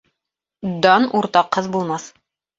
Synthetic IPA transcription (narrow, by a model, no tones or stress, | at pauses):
d̪ɑnuɾt̪ɑqːɤðbulˠmɑθ